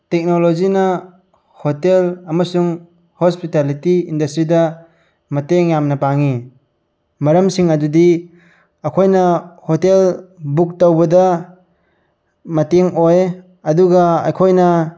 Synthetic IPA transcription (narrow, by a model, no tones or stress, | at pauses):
tek̚nolozinɐ | hotelɐmɐsuŋ | hospitalitiindɐstɾidɐ | mɐteŋjamnɐpaŋi | mɐɾɐmsiŋɐdudi | ɐkʰojnɐhotelbuk̚tɐwbɐdɐ | mɐteŋoj | ɐduɡɐɐ̰jkʰojnɐ